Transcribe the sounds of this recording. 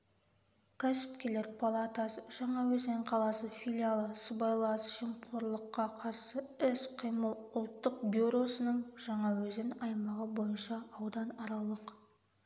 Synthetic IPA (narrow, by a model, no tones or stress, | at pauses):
kʲʰæsɪ̥p̚kʲe̞leɾpʰalˠat̪asəʒ̥ɑɴɑwɵznɪɴqʰɑlˠɑsəfʲilʲialˠəsəbɑjlˠɑsʒ̥imqʰoɾlˠəqːɑqʰɑɾsəɪsqʰijməlˠʊlˠt̪ːəq̚bjuɾo̞sənəɴʒ̥ɑɴɑwɵzɪnɑjmɑʁəbo̞jənʃɑːwd̪ɑnɑɾɑlˠəq